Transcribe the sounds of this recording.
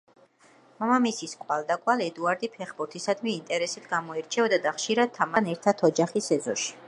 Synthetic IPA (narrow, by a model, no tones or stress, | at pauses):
mamamisiskʼwalˠd̪akʼwalɛd̪uaɾd̪ipʰɛχbuɾt̪ʰisad̪miːnt̪ʼɛɾɛsit̪ʰɡamɔɛɾt͡ʃʰɛɔd̪ad̪aχʃiɾad̪̚t̪ʰːamanɛɾt̪ʰat̪ʰɔd͡ʒaχisɛzɔʃi̥